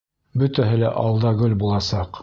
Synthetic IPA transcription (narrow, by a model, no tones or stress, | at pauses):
bɵt̪æɦɘlæʔɑlˠd̪ɑɡɵlbulˠɑsɑq